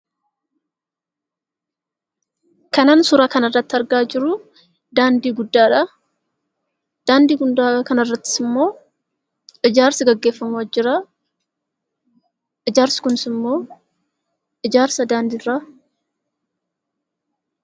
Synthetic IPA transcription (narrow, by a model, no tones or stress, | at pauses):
kɐnaːnsʊɾaːkɐnɐrːɐt̪ːɪɐɾɡaːd͡ʒɪɾʊ | d̪aːnd̪iːɡʊd̪ːaːᶑɐ | d̪̥aːnd̪iːɡʊnd̪aːkɐnɐrːɐt̪ːɪ̥sɪmːo̞ː | ɪd͡ʒaːɾsɪɡɐɡːe̞ːfːɐmʊwɐd͡ʒɪɾa | ʔɪd͡ʒaːɾsɪ̥kʊnɪsɪmːo̞ː | ɪd͡ʒaːɾsɐd̪aːnd̪iːrːaː